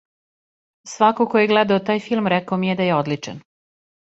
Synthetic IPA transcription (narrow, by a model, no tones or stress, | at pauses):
sʋakokojeɡlɛd̪aot̪aːjfilˠmɾɛkaomijed̪ajeod̪lit͡ʂḛn